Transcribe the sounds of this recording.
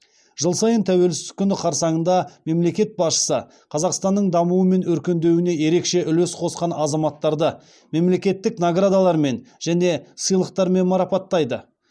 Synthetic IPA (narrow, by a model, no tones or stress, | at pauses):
ʒ̥əlˠsɑjənt̪ʰæwe̞lsɪt̪ɪ̥kʲʰːʏnɪqʰɑɾsɑɴənd̪ɑme̞mle̞kʲe̞t̪̚bɑsʃə̥sə | qʰɑzɑqst̪ɑnːəɴd̪ɑmuwəme̞nɵɾkʲe̞nd̪e̞wɪne̞je̞ɾe̞kʃe̞ʔʏlesqʰo̞sqɑnɑzɑmɑt̪ːɑɾd̪ə | me̞mle̞kʲe̞t̪ːɪknoɡrad̪alˠɑɾme̞nʒ̥æne̞səjlˠəq̚t̪ɑɾme̞nmɑɾɑpɑt̪ːɑjd̪ə